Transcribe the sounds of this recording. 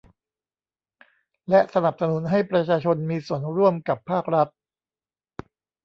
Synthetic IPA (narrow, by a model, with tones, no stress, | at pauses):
lɛ˦˥sa˧na˨˩p̚sa˧nu˨˩˦nɦa˥˩jpɾa˧t͡ɕʰaː˧t͡ɕʰo˧nmiː˧su˨˩˦ənɾu˥˩əmka˨˩pʰːaː˥˩k̚ɾa˦˥t̪̚